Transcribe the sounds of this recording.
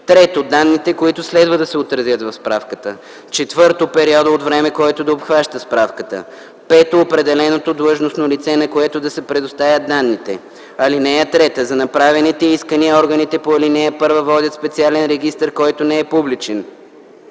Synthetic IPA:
t̪ɾɛt̪od̪anːit̪ɛkoit̪ʊslɛd̪vəd̪ɐsɛot̪ɾɐzʲjət̪vɐfspɾafkət̪ə̰ | t͡ʃɛt̪vɤɾt̪opɛɾiɔd̪əot̪vɾɛmɛkoɛt̪od̪ɐopxvaʃt̪əspɾafkət̪ə̰ | pɛt̪oːpɾɛd̪ɛlɛnot̪od̪lˠɤʒnosnolit̪sɛnɐkoɛt̪od̪ɐsɛpɾɛd̪ost̪avʲjəd̪anːit̪ɛ̰ | ɐlinɛɛt̪ɾɛt̪əzɐnɐpɾavɛnit̪ɛiskəniəɔɾɡənit̪ɛpoɐlinɛɛpɤɾvəvɔd̪ʲət̪spɛt̪sialɛnɾɛɡist̪əɾkɔjt̪onɛɛpublit͡ʃɛn

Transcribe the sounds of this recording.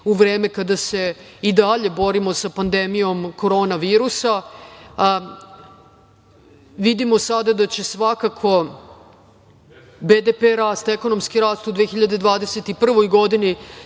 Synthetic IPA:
uʋɾe̞ːme̞kad̪ase̞ | id̪aʎe̞bo̞ɾimo̞sapand̪emijo̞mko̞ɾo̞ːnaʋiːɾusa | ʋid̪imo̞sad̪ad̪at͡ɕe̞sʋakakʰo̞ | bed̪epeɾaːst̪eko̞no̞mskiɾaːst̪ud̪ʋexiʎad̪e̞d̪ʋaːd̪ese̞t̪ipr̩ʋo̞jɡo̞d̪ini

